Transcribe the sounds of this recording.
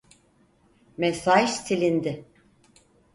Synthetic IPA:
mɛsaʃt̪ʰilʲind̪ɪ

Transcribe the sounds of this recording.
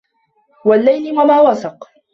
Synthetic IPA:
walːajlmamaːwɑsɑq

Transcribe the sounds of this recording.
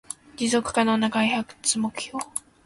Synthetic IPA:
d͡ʑizo̞kɯ̟̥kanonakaiçakɯ̟̥t͡sɨmokɯ̟̥çʲjo̞ː

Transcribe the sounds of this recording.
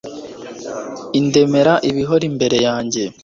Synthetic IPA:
inde̞me̞ɾaʔiβiɦo̞ɾimbe̞ɾe̞jaːɲɟe̞

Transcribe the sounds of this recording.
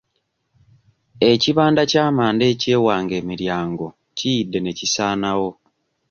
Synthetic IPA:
e̞ciβaːndacaːmaːnde̞ːce̞ːwaːŋɡe̞ːmiɾjaːŋɡo̞ | cijidːe̞ne̞cisaːnawo̞

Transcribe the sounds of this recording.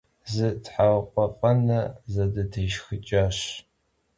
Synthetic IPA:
zɨdħawqʷʼɔqʼɐnɐzɐdɐdʰɐjʃxɨt͡ʃʼaɕ

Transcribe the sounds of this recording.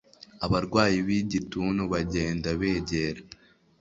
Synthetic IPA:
aβaɾɡwaːjiβiɟituːnuβaɟe̞ːndaβeːɟeɾa

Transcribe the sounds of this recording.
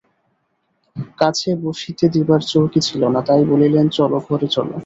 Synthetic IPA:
kat͡ɕʰeboʃit̪ed̪ibaɾt͡ɕowkit͡ɕʰilonat̪ajbolilent͡ɕɔloɡʱoɾet͡ɕɔlo̰

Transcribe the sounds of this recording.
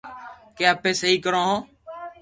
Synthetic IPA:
keːaːpeːsəɦiːkəɾõːɦõː

